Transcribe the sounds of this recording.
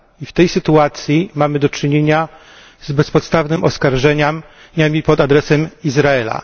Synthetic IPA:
ift̪ɛjsɘt̪uat̪sʲjimamɘd̪ɔt͡ʂɘɲeɲa | zbɛspɔt̪st̪avnɘmʔɔskaɾʐɛɲam | ɲamʲipɔd̪ad̪ɾɛsɛmizɾaɛla̰

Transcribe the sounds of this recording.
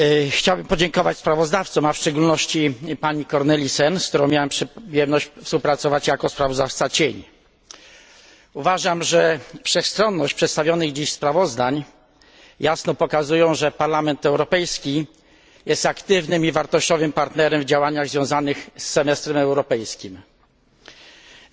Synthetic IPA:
xt͡ɕawbɘmpɔd͡ʑɛŋkɔvat͡ɕspɾavɔzd̪aft̪sɔmafʂt͡ʂɛɡulnɔɕt͡ɕipaɲikɔɾnɛlʲisɛnskt̪uɾɔ̃w̃mjawampʂjɛmnɔɕt͡ɕfspuwpɾat̪sɔvat͡ɕjakɔspɾavɔzd̪aft̪sat͡ɕeɲ | uvaʐamʐɛfʂɛxst̪ɾɔnːɔɕt͡ɕpʂɛt̪st̪avʲjɔnɘɣd͡ʑiɕspɾavɔzd̪aɲ | jasnɔpɔkazujɔ̃w̃ʐɛpaɾlamɛnt̪ɛwɾɔpɛjskʲi | jɛst̪akt̪ɘvnɘmivaɾt̪ɔɕt͡ɕɔvɘmpaɾt̪nɛɾɛmvd͡ʑawaɲaɣzvʲjɔ̃w̃zanɘxsːɛmɛst̪ɾɛmɛwɾɔpɛjskʲim

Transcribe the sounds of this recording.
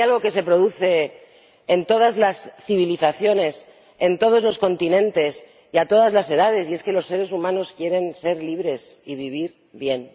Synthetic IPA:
jalɣo̞ke̞se̞pɾo̞ðuθe̞ː | nt̪o̞ðazlasθiβ̞iliθaθjo̞ne̞s | ent̪o̞ð̞o̞zlo̞sko̞nt̪inẽ̞nt̪e̞s | iat̪o̞ð̞azlase̞ð̞að̞e̞sie̞ske̞lo̞sːe̞ɾe̞sumãno̞skje̞ɾe̞nse̞ɾliβɾe̞siβiβ̞iɾ | βje̞n

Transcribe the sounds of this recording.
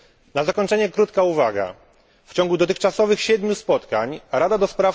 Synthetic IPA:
nazakɔɲʲt͡ʂɛɲɛkɾut̪kauvaɡa̰ | ft͡ɕɔ̃ŋɡud̪ɔt̪ɘxt͡ʂasɔvɘxɕɛd̪mʲuspɔt̪kaɲɾad̪ad̪ɔspɾaf

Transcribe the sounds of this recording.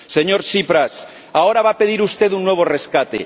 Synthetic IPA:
se̞ɲo̞ɾsipɾas | ao̞ɾaβape̞ð̞iɾust̪e̞t̪unːwe̞β̞ore̞skat̪ḛ

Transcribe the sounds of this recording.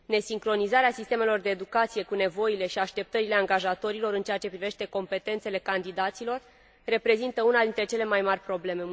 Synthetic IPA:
ne̞siŋkɾo̞nizaɾeasist̪e̞me̞lo̞rd̪e̞ːd̪ukat̪sije̞kune̞vo̞ile̞ʃiaʃt̪e̞p̚t̪əɾile̞aŋɡaʒat̪o̞ɾilo̞ɾɨnt͡ʃeat͡ʃe̞pɾive̞ʃt̪e̞ko̞mpe̞t̪e̞nt̪sele̞kand̪id̪at̪silo̞rː | e̞pɾe̞zint̪əunad̪int̪ɾe̞t͡ʃe̞le̞majmarʲpɾo̞ble̞me̞

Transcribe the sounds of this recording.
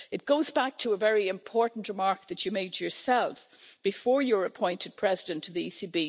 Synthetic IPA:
ɨt̚ɡ̥oʊzbæk̚tʰəːvɛɹiɨ̃mpʰɔɹʔn̩ʔɹəmaɹk̚ðɨt͡ʃɨmeɪd͡ʒə˞sɛlˠf | b̥ɨfɔɹjə˞ɨpʰɔ̃ɪ̃ntʰɨd̚pʰɹ̥ɛzɪdɨ̃ntʰɨðiisibi

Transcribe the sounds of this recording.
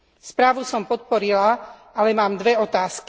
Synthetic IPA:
spɾaːʋusɔmpɔt̪̚pɔɾila | alɛmaːmd̪ʋɛɔt̪aːsk

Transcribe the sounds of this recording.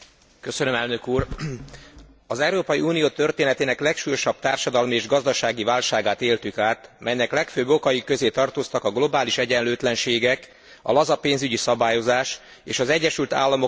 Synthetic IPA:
kø̞sønø̞mɛlnø̞kuːr | ɒzɛuɾoːpɒjiuːnijoːt̪ø̞rt̪eːnɛt̪eːnɛklɛkʃuːjɒʃɒb̥̚t̪aːrʃɒd̪ɒlmieːʒɡɒzd̪ɒʃaːɡivaːlʃaːɡaːt̪eːlt̪ykaːt̪mʔɛjnɛklɛkføːbo̞kɒjikːø̞zeːt̪ɒrt̪ost̪ɒkɒɡlo̞baːliʃɛɟɛnløːt̪lɛnʃeːɡɛk | ɒ̰lɒzɒpeːnzyɟisɒbaːjo̞zaːʃ | ḛːʃɒzɛɟːɛʃylt̪a̰ːlːɒmo̞

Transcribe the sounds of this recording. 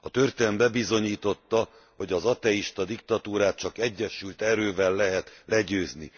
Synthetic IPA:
ɒt̪ørt̪ɛmbɛbizo̞ɲiːt̪o̞t̪ːɒ | ho̞ɟɒzɒt̪ɛiʃt̪ɒd̪ikt̪ɒt̪uːɾaːt̪̚t͡ʃɒkɛɟːɛʃylt̪ɛɾøːvɛlːɛɦɛt̪lɛɟøːzni

